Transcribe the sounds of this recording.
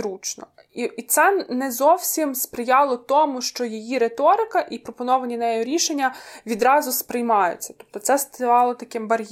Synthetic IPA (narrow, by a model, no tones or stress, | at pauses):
ɾut͡ʃnɔ̰ | iit̪sɛnɛzɔwsʲimspɾɪjɑlˠɔt̪ɔmʊʃt͡ʃɔjijiɾet̪ɔɾɪkɐʔipɾɔpɔnɔʋɐnʲinɐjɛjʊɾʲiʃenʲːɐʋʲid̪ɾɑzʊspɾɪjmɑjʊ̰t͡sʲːɐ̥t̪ɔ̥p̚t̪ɔtsɛst̪ʋɑlˠɔt̪ɐkɪmbɐɾʲ